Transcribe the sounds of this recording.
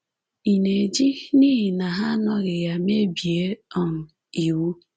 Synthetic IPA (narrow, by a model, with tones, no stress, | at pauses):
i˨ne˨d͡ʒi˦ni˦ɦi˨na˨ɦa˦nɔ˦ɣɪ˨ja˨me˦bi˨e˦ɔ˦n̩˨ | i˨wu˦